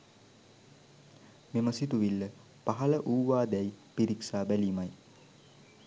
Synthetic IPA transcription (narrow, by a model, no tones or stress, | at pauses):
meməsit̪uʋilːə | paɦɐləʔuːʋaːd̪ɛjpiɾiksaːbæliːmaj